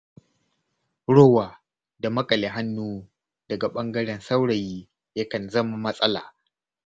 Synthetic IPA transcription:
ɽoː˦waː˨ | da˨mɐ˦kʼɐ˨lɪ˨ɦa˦nːuː˦ | d̥ɐ˨ɡa˨ɓɐ˦ŋɡɐ˦ɽɛ˨nsa˦wɽɐ˨jiː˦ | jɐ˦kɐ˨nzɐ˦ma˨mɐ˦sʼɐ˦la̰ː˨

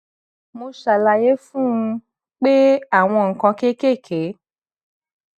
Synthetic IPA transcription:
mo˧ʃa˨la˨je˨˦fũ˦ũ˧ | k͡pe˦a˦˨w̃ɔ̃˧ŋ̩˨kã˧ke˦ke˦˨kʰe˨˦

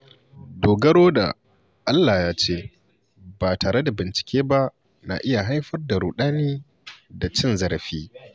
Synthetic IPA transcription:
doː˨ɡɐ˦ɽoː˦da̰˨ | ʔa˦lːa˨jaː˦t͡ʃeː˦ | baː˨taː˨ɽe˦da˨bɪ˨nt͡ʃɪ̥˨kʲʰeː˦ba˦ʔ | na̰˨ʔɪ˦ja˨ɦa˦jɸɐ˦rda˨ɾu˨ɗaː˦niː˦ | da˨t͡ʃɪ˦nzɐ˦˨ɾɸiː˦

